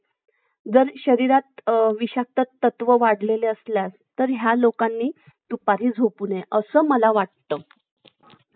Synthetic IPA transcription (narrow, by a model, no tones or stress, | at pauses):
d͡zəɾɕəɾiɾat̪ʋiɕak̚t̪ət̪ːət̪ʋəʋaɽleleəsljast̪əɾɦjalokanːiː | t̪upaɾiːd͡zʱopuːneʔəsəːməlaʋaʈ̚t̪ə